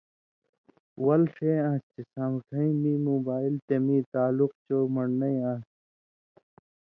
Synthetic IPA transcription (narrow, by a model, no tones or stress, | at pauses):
wɐlʂẽːãːt̪isãːmʈʰɐ̃ĩmĩːmoːbaːilt̪emĩːt̪aːluq̚t͡ɕoːmɐɳnɐĩãː